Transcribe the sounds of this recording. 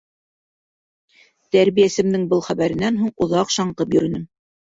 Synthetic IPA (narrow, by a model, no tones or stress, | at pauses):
t̪æɾβijæsɘ̆md̪ɘŋbɤlˠχæβæɾɘ̆nænɦuɴŏðɑqʃɑɴqɤpjɵ̆ɾɵ̆nɘm